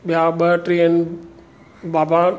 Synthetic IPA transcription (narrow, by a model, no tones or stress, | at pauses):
bjabəʈɾen | baba